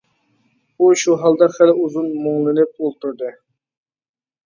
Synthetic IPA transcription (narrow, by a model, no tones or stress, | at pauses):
uʃuɦɑlˠd̪ɑχæluzunmoŋlˠɨnɪp̚olˠt̪ʰuɾd̪ɨ